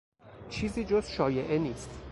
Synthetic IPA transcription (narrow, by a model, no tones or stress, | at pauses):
t͡ʃʰiːziːd͡ʒozʃɒːje̞ʔeniːst̪